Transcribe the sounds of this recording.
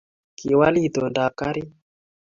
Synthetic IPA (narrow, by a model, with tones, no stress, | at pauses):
ki˨wa˦li˦t̪ɔ˨nda˨ka˦ɾi˦